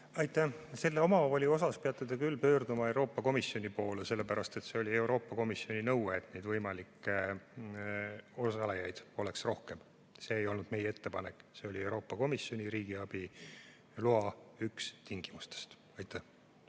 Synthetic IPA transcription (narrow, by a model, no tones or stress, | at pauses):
ɑjt̪ːˑæse̞lːeo̞mɑolʲio̞sɑspeɑt̪ːˑud̪̥ɑkylːpø̞ːrd̪umɑe̞wɾo̞ːpːˑɑko̞misjo̞nʲipo̞ːlese̞lːepæɾɑst̪e̞t̪se̞o̞lʲie̞wɾo̞ːpːɑko̞misio̞ninɤwweːt̪nejd̪vɤjmɑlikːˑe | osɑlejɑjd̪̥o̞le̞ksro̞hke̞m | se̞ːjo̞lnud̪̥me̞jee̞t̪ːe̞pɑnekːˑse̞o̞lʲie̞wɾo̞ːpːɑko̞misjo̞nʲiɾiːɡiɑb̥i | luɑykst̪iŋɡ̥imust̪e̥st̪ | ɑjt̪ːˑæh